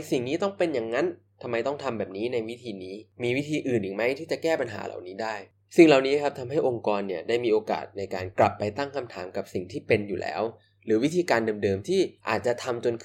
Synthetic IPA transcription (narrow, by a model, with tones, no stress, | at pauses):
si˨˩ŋniː˦˥t̪ɔ˥˩ŋpe˧nja˨˩ŋːa˦˥n | t̪ʰa˧mːa˧jt̪ɔ˥˩ŋt̪ʰa˧mbɛː˨˩p̚niː˦˥na˧jwi˦˥t̪ʰiː˧niː˦˥miː˧wi˦˥t̪ʰiː˧ʔɯː˨˩nja˨˩ŋma˦˥jt̪ʰiː˥˩t͡ɕa˨˩kɛː˥˩pa˧nɦa̰ː˩˦lʔa̰˨˩wniː˦˥daː˥˩j | si˨˩ŋla˨˩wniː˦˥kʰa˦˥p̚t̪ʰa˧mɦa˥˩jʔo˧ŋkɔː˧nːi˥˩ɐdaː˥˩jmiː˧ʔoː˧ka̰ː˨˩t̪̚na˧jkaː˧nkla˨˩pːa˧jt̪a˥˩ŋkʰa˧mt̪ʰaː˩˦mka˨˩p̚si˨˩ŋt̪ʰiː˥˩pe˧njuː˨˩lɛ̰ː˦˥w | ɾɯː˩˦wi˦˥t̪ʰiː˧kaː˧ndɤː˧mdɤː˧mt̪ʰiː˥˩ʔa̰ː˨˩t̪̚t͡ɕa˨˩t̪ʰa˧mt͡ɕo˧nkʰ